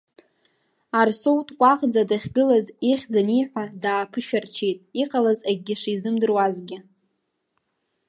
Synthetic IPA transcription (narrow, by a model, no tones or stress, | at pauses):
arsowtʼkʷʼaqʼd͡zadaχʲɡɨlaziχʲd͡zanijħʷadaːpʰɨʃᶣart͡ʃʰejtʼiqʼalazaɡ̚ʲɡʲɪʂizɨmdɨrwazɡʲɪ